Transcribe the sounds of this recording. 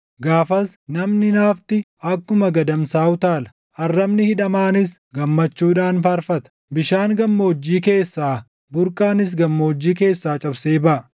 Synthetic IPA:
ɡaːfɐsnɐmnɪnaːft̪ɪ | ɐkːʊmɐɡɐd̪ɐmsaːʊt̪aːlɐ̥ | ʔɐrːɐbnɪhɪᶑɐmaːnɪs | ɡɐmːɐt͡ʃːuːᶑaːnfɐɾfɐt̪ɐ̥ | bɪʃaːŋɡɐmːɐɔd͡ʒːiːke̞ːsːaː | bʊɾkʼaːnɪs̬ɡɐmːɐɔd͡ʒːiːk̬e̞ːsːaːt͡ʃʼɐbseːbɐʔɐ

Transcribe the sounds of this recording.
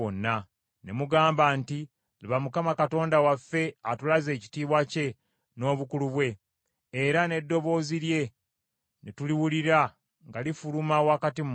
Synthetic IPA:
onːa | nemuɡaːmbanti | lβamukamakato̞ːndawafːe̞atulaze̞ːci̥tiːβwace̞ | no̞ːβukuluβwe̞ː | ɾane̞dːo̞βo̞ːziɾje̞ | netuliwuliɾa | ŋɡalifulumawakatim

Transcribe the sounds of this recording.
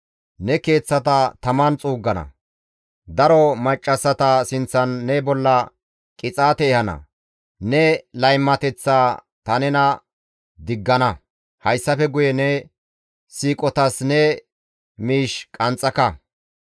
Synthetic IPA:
nɛke̞ːt͡sːɐt̪ɐt̪ɐmɐnt͡sʼuːɡːɐnɐ̰ | d̪ɐɾɔmɐt͡ʃʼːɐsːɐt̪ɐsɪnt͡sːɐnːɛbɔlːɐ | kʼɪt͡sʼaːt̪ɛːhɐnɐ̰ | nɛlɐjmːɐt̪ɛt͡sːaː | t̪ɐnɛnɐ | d̪ɪɡːɐnɐ | hɐjsːɐfɛɡʊjɛnɛ | siːkʼɔt̪ɐsnɛ | miːʃkʼɐnt͡sʼːɐkɐ

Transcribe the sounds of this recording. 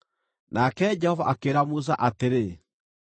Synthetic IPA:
nakɛd͡ʒɛhɔvaʔakeɾamus̬a̰ʔateɾe

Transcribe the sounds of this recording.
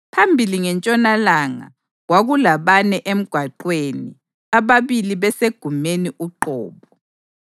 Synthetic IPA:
pʰambʱiliŋɛnt͡ʃʼɔnalaŋa̰ | ɣwaɣulaβanɛʔem̩ɡ̥ʱwaǃwenḭ | aβaβiliβɛseɡ̥ʱumeniʔuǃɔ̰ːβɔ

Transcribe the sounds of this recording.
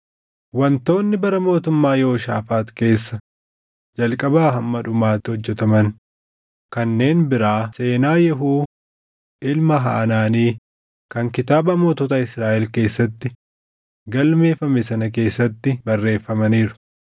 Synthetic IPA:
wɐnt̪o̞ːnːɪbɐɾɐmo̞ːt̪ʊmːaːjo̞ːʃaːfaːt̪ke̞ːsːɐ | d͡ʒɐlkʼɐbaːɦɐmːɐᶑʊmaːt̪ːɪhɔd͡ʒːɛt̪ɐmɐn | kɐnːe̞ːnbɪɾaːse̞ːnaːjɛɦuː | ʔɪlmɐɦa̰ːnaːniː | kɐŋkɪt̪aːbɐmo̞ːt̪oːt̪aɪsɾaːʔɛlke̞ːsːɐt̪ːɪ | ɡɐlme̞ːfɐmɛsɐnɐke̞ːsːɐt̪ːɪbɐrːe̞ːfːɐmɐniːɾʊ̥

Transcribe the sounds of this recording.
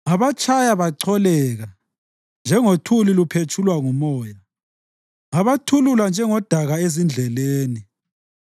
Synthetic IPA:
aβat͡ʃʰʼajaβaǀʰɔlɛɣa | nd͡ʒʱɛŋotʰulilupʰet͡ʃʰulwaŋumɔːja | aβatʰululand͡ʒʱɛŋɔd̥ʱaɣaezind͡ɮʱɛleːni

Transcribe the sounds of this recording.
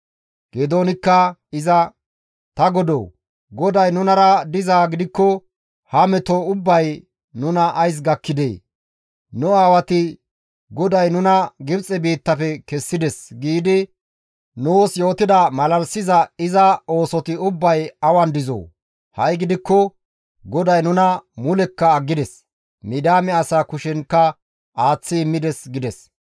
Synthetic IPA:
ɡ̥ed̪oːnɪkːɐɪzɐ | t̪ɐɡɔd̪o̰ː | ɡɔd̪ɐjnʊnɐɾɐd̪ɪzaːɡɪd̪ɪkːɔ | hɐmɛt̪ɔʊbːɐj | nʊnɐʔːjs̬ɡɐkːɪd̪ḛː | nʊaːwɐt̪ɪ | ɡɔd̪ɐjnʊnɐɡɪbt͡sʼɛbiːt̪ːɐfɛkɛsːɪd̪ɛsɡiːd̪ɪ | nuːsjo̞ːt̪ɪd̪ɐmɐlɐlsɪzɐɪzɐo̞ːsɔt̪ɪʊbːɐjɐwɐnd̪ɪzo̰ː | hɐjɡɪd̪ɪkːɔ | ɡɔd̪ɐjnʊnɐmʊlɛkːɐːɡːɪd̪ɛs | mɪd̪aːmɛɐsaːkʊʃɛnkːɐ | aːt͡sːɪːmːɪd̪ɛsɡɪd̪ɛs

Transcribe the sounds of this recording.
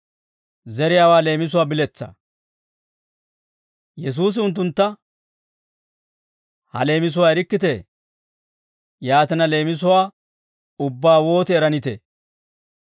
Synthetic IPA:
zɛɾɪjaːwaːle̞ːmɪs̬ʊwaːbɪlɛt͡sːɐ̰ | jɛs̬uːs̬ɪʊnt̪̬ːʊnt̪ːɐ | hɐ̰le̞ːmɪs̬ʊwaːɛɾɪkːɪt̪e | jaːt̪ɪnɐle̞ːmɪs̬ʊwaː | ʊbːaːwo̞ːt̪ɪːɾɐnɪt̪ḛ

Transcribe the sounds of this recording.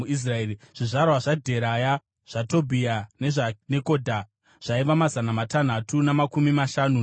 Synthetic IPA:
uis̬raeːiʐ̥iʐarwaʐadʱe̞ɾaja | ʐ̥ato̞bʱiane̞ʐane̞ko̞ːdʱa | ʐ̥aiʋamazanamatan̤atunamakumimaʃaːnu

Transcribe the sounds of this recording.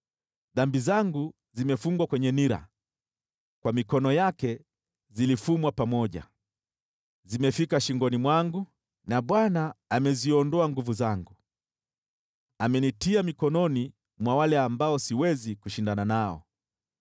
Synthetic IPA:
ðambizaŋɡu | zimɛfuŋɡwakwɛɲɛniɾa̰ | kwamikɔnɔjakɛ | zilifumwapamɔʄa̰ | zimɛfikaʃiŋɡɔnimwaŋɡu | naɓwanaːmɛziɔndɔaŋɡuvuzaŋɡu | amɛnitiamikɔnɔni | mwawalɛambaɔsiwɛzikuʃindananaɔ̰

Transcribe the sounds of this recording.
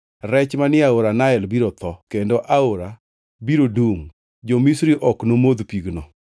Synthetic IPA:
ɾɛt͡ʃmanɪaoɾanaɛlbiɾot̪ɔkendoʔaoɾa | biɾoduŋ | d͡ʒomisɾiʔɔknomod̪piɡnɔ

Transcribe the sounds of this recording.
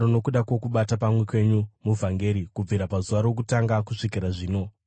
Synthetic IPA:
ono̞kuɗako̞kuɓatapamwekwe̞ɲumuvʱaŋɡe̞ɾikub͡viɾapazuʋaɾo̞k̬utaŋɡakuʂikiɾaʐiːno̞

